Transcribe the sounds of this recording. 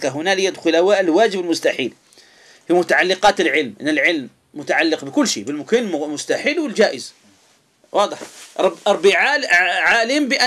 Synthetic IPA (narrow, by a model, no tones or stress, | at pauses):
kaɦʊnaːlɪjad̪xʊlawaʔɪlwaːd͡ʒɪbɪlmʊst̪aħḭːl | fimʊt̪aʕalːɪqɑːt̪ɪlʕɪlmʔɪnːɪlʕɪlmː | ʊt̪aʕalːɪqbɪkʊlːʃḭːbɪlmʊkɪnmmʊst̪aħiːlwɪld͡ʒaːʔɪz | wʔɑːd̪ˤɨħˤbʔɑɾˤbːiʕaʕaːlɪmbɪʔa